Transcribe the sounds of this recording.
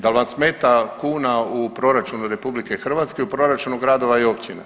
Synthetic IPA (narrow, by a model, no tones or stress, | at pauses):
d̪alˠʋansmeːt̪akuːnaupɾo̞ɾat͡ʃunuɾe̞publike̞xr̩ʋat̪skeupɾo̞ɾat͡ʃunuɡɾad̪o̞ʋaio̞pt͡ɕina